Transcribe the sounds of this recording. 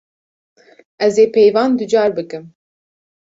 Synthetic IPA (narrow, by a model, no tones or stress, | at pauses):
ɛzeːpʰejvɑːnd̪ɨd͡ʒɑːɾbɨkɨm